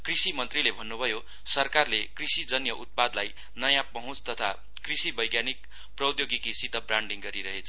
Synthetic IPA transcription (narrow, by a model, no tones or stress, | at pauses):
krisimʌnt̪rilebʱʌnːubʱʌjo | sʌrkarlekrisid͡zʌnjʌʔut̪̚pad̪laj | nʌjãpʌɦũt͡st̪ʌt̪ʰa | krisibʌjɡjanik̚ | prʌd̪joɡikisit̪ʌbraɳɖiŋɡʌɾiɾʌɦet͡sʰʌ̥